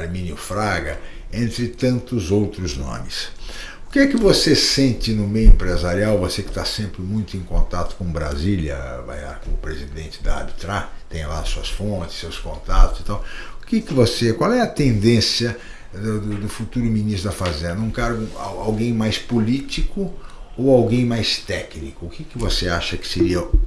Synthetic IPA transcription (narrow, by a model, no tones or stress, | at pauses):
aɾmĩniʊfɾaɡɐẽnt̪ɾɪt̪ɐ̃nt̪ʊzowt̪ɾʊznõ̰mɪs | ʊkɪɛkɪvosesẽnt͡ʃ̪ɪnʊmejʊẽmpɾezaɾiawvosekɪ̥t̪asẽmpɾɪmũj̃t̪ʊẽkõnt̪at̪ʊ̥kõbɾa̰zilɐ̰va̰jla̰ɾkõʊpɾezid̪ẽnt͡ʃɪd̪ɐa̰bit̪ɾat̪ẽj̃la̰suɐsfõnt͡ʃ̪ɪ̥ssewskõ̰nt̪at̪ʊz̥it̪awʊkɪkɪvosekwawɛɐt̪ẽnd̪ẽsiɐ | d̪ʊd̪ʊd̪ʊfut̪uɾʊminist̪ɾɐfazẽnd̪ɐũkaɾɡʊa̰a̰wɡẽj̃majspolit͡ʃikʊowawɡẽj̃majst̪ɛknikʊːkɪkɪvoseaʃɐkɪ̥seɾiɐ